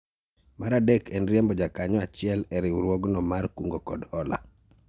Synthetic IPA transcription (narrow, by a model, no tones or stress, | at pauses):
maɾadekʰɛnɾijɛmbɔd͡ʒakaɲɔat͡ʃɪɛlɛɾɪuɾwoɡnɔmarkuŋɡokɔdɔla̰